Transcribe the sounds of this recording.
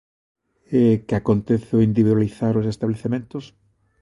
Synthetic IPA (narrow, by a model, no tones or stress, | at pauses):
ekeakont̪eθoind̪iβiðwaliθaɾos̬est̪aβleθemẽnt̪os